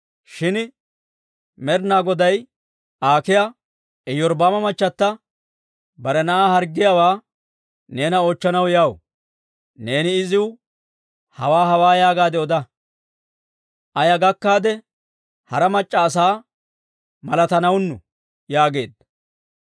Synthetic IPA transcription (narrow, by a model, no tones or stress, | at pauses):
ʃɪn | mɛɾnaːɡɔd̪ɐj | aːkɪjɐ | ɛjɔɾbaːmɐmɐt͡ʃʼːɐt̪ːɐ | bɐɾɛnɐʔahɐɾɡːɪjɐwaː | ne̞ːnɐoːt͡ʃːɐnɐwjaw | ne̞ːnɪɪzɪw | hɐwaːɦɐwaːjaːɡaːd̪ɛɔd̪ɐ | ʔɐjɐɡɐkːaːd̪ɛ | hɐɾɐmɐt͡ʃʼːɐːs̬aː | mɐlɐt̪ɐnɐwnːʊ̰ | jaːɡe̞ːd̪ːɐ